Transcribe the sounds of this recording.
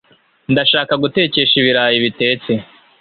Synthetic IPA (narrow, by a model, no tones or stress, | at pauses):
ndaʃaːkaɡute̞ce̞ʃiβiɾaːjiβite̞ːt͡se̞